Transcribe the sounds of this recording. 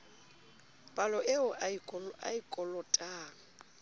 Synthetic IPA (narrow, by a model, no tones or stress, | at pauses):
pʼalɔʔɪʊakʼɔa̰ikʼɔlɔtʼaːŋ̩